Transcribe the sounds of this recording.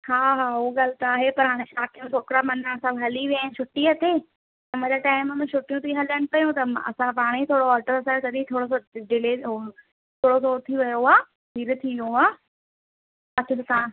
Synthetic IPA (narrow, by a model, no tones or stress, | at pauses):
haːɦaːuɡɐlt̪aːɦepɐɾɦaːɽ̃ẽʃaːkijũsʰoːkɾamɐnaɐsãbɦɐliʋjant͡ɕʰʊʈːiɐt̪eː | t̪ɐ̃mɐ̃ːd͡ʑaʈaːɪmːmɛ̃t͡ɕʰʊʈijũt̪ʰiɦɐləɽ̃ɪ̆pɐjũt̪ɐmɐ̰sãpaːɽ̃it̪ʰoːɽoɔːlʈəɾəsaːet̪ɐɗit̪ʰoːɽos̬oɖɪleːo | t̪ʰoːɽosot̪ʰiʋɐjoaː | ɦiːɾt̪ʰiʋjuaː | ɐt͡ɕʰsã